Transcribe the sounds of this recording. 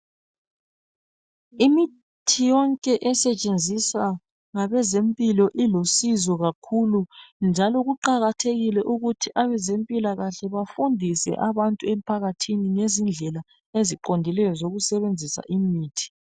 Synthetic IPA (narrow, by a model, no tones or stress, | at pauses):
imi | tʰijɔŋkʼɛʔɛsɛt͡ʃʼend͡zʱisa | ŋaβɛzempʼilɔʔilosizɔɣakʰulund͡ʒʱalɔɣuǃaɣatʰeɣilɛʔuɣutʰiʔaβɛzempʼilaɣaɬɛβafundʱisɛ̰ʔaβantʼuem̩pʰaɣatʰiniŋezind͡ɮʱɛla | eziǃondʱilɛjɔzoɣusɛβend͡zʱisa̰ʔimiːtʰi̥